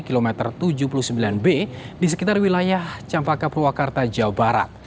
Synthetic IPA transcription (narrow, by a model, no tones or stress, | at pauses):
kilomɛt̪ərt̪ud͡ʒupuluhsəmbilanbedis̬əkit̪arwilajaht͡ʃampakaprwakart̪ad͡ʒaubaɾa̰t̪̚